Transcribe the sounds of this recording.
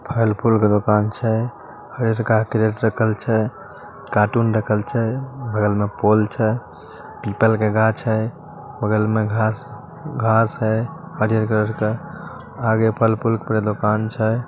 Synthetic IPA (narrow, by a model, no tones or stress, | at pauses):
pʰəlpʰulked̪okant͡ʃʰɛ | həɾijəɾkakɾeʈɾəkʰəlt͡ʃʰɛ | kaʈunɾəkʰəlt͡ʃʰɛbʱəɡəlmepolt͡ʃʰɛ | pipəlkeɡat͡ʃʰə | bəɡəlmeɡʱas | ɡʱasɦə | həɾijəɾkɾəɾke | aɡepʰəlpʰulkpɾed̪okant͡ʃʰɛ